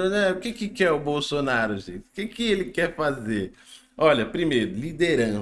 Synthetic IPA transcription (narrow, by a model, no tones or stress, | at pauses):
ʊnɛʊkɪkɪkɪɛʊbowsonaɾʊʒḛ̃t͡ʃɪʊ̥kɪkɪelɪkɛɾfazeɾ | ɔʎɐpɾimejɾʊlid̪eɾɐ̃